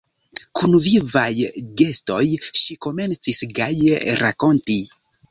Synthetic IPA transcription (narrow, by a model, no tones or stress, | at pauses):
kunvivajɡe̞sto̞jʃiko̞me̞nt͡sisɡajɾako̞nti